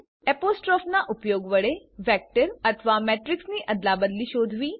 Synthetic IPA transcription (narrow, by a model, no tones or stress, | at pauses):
ɛpoːsʈɾɔːfnaʔʊpjoːɡʋəɽeʋɛːk̚ʈəɾɐt̪ʰʋamɛːʈɾɪksniʔɐd̪labəd̪liʃoːd̪ʱʋiː